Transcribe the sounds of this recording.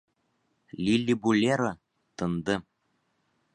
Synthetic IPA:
lʲilʲːibulʲeɾɤ̆ | t̪ɤ̆nd̪ɤ̆

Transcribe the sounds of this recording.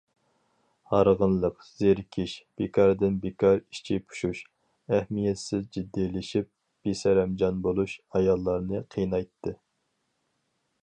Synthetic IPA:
hɑɾʁənlˠəq | z̥eɾkʲʰiʃb̥ekʰɑɾd̪ɪnbekʰɑɾiʃt͡ʃʰipʰu̥ʃuʃ | æhmijɛt̪sɪzd͡ʒid̪ːilɪʃip̚ | b̥isɛɾɛmd͡ʒɑnbolˠuʃɑjɑlˠːɑɾnɨqʰijnɑjt̪ʰːɨ

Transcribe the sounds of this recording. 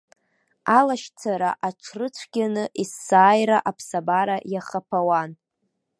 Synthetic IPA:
alaʃt͡sʰaɾaʔaʈ͡ʂʷʰrɨt͡sʷʰɡʲanɨʔisːaːjɾaʔapʰsabaɾajaχapʰawan

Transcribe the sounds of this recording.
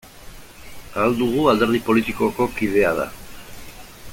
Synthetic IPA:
ald̪uɣ̞uald̪eɾð̞ipo̞lit̪iko̞ko̞kið̞e̞að̞a̰

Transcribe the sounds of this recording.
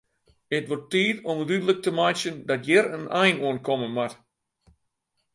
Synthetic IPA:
ətʋɔrtːiːtonədydələk̚təmajsjəndɔtjɪɾənʔɛjnuənkʰɔmənmat

